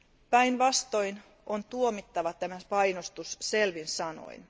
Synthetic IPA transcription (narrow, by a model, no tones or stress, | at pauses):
pæjnʋɑst̪o̞jn | ʔont̪uomit̪ːɑʋɑt̪æmæpɑjnost̪usse̞lʋinsɑno̰jn